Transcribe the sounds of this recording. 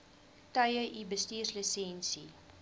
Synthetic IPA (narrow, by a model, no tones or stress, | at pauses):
tœjəʔibəstiːrsləsɛnsi